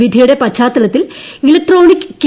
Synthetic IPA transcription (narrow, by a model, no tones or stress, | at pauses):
ʋid̪ʱijuɽe̞pɐt͡ɕːaːt̪ːɐlɐt̪ːililɐk̚ʈro̞ːnikːɨ̥kː